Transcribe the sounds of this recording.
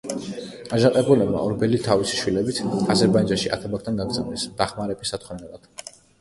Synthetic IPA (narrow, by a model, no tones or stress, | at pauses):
aʒaqʼɛbulɛbma̰ɔɾbɛlit̪ʰavisi̥ʃwilɛbit̪ʰazɛɾbaid͡ʒanʃia̰t̪ʰabak̚ʰt̪ʰanɡaɡd̪zavnɛsd̪̥aχmaɾɛbisat̪ʰχʰɛnɛlˠad̪̥